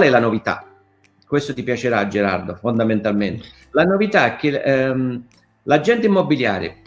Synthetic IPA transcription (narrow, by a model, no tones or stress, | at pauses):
kwalɛlanovit̪a̰ | kːwest̪ot̪ipjat͡ʃeɾad͡ʒeɾa̰rd̪ofond̪ament̪alment̪ɪ | lanovit̪aɛkːɪm | lad͡ʒːɛnt̪ɪimːobilja̰ːɾjɪ̰